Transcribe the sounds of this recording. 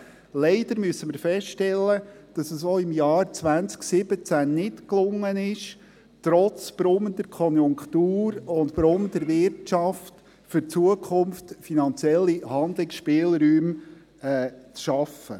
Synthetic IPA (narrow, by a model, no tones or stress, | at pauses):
lɛɪd̥əɾmyəsəməɾfɛstɛlːəd̥ɑsəsoːɪmjɑːɾt͡sʋænt͡sksɪb̥ət͡sænnɪtklʊŋːənɪʃ | tɾɔt͡sb̥ɾʊmd̪əɾkʰɔnjʊŋkχt̪uːɾʊntb̥ɾʊnd̪əɾʋɪɾtt͡ʃɑft | fʏɾt͡suəkʰχʊmftfinɑnt͡sjɛlːihɑnd̪lɪksʃpɪːlˠɾyːm | ɛːt͡sʃɑfə